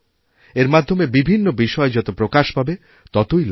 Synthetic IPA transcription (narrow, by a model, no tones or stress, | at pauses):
eɾmad̪ʱːomebibʱinːobiʃɔed͡ʑɔt̪opɾokaʃbʱabe | t̪ɔt̪ojl